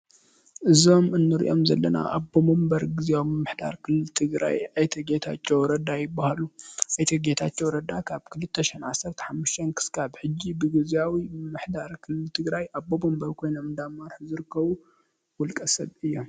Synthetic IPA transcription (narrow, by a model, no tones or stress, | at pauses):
ʔɨzo̞mɨnːɨɾḭʔomzɐlːɐna̰ʔabːomombɐɾɡɨzawmɨmːɨħd̪a̰ɾkʰɨlːɨlt̪ʰɨɡɾa̰jajt̪ʰɐɡet̪ʰat͡ʃːowɾɐd̪ajɪbːahaluʔajt̪ʰɐɡet̪ʰat͡ʃːowɾɐd̪akʰaβkʰɨlɨt̪ʰːɐʃɛnʕasːɐɾt̪ʰɐ̥ħamːuʃt̪ʰɐnkʰɨ̥skʰaβħɨd͡ʒːibɨɡɨzawimmɨmːɨħd̪aɾkʰɨlːɨlt̪ʰɨɡɾajʔabːomombɐɾkʰo̞jnomnd̪amːaɾħuzɨɾɨkːɐβu | wɔlkʼɐsɐβɨjːo̞m